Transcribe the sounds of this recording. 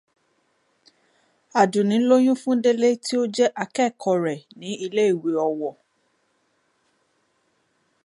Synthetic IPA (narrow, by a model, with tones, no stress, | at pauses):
a˨dũ˨nĩ˨˦lo˦j̃ũ˦fũ˦de˦le˦ti˦o˦d͡ʒɛ˦ʔa˧kɛ˦˨kʰɔ˨˧ɾɛ˨nĩ˨˦i˧le˦i˦˨we˨˦ɔ˨wɔ˨